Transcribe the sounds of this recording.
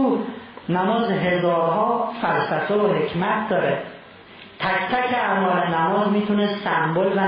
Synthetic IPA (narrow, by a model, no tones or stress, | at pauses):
unæmɒːzɦe̞zɒːɾɦɒːfælsæfeoɦe̞cʰmæt̪̚ʰd̪ɒːɾe | t̪ʰæct̪ʰækʰeʔæmɒːɾenæmɒːzmiːt̪ʰunesæmbolvæ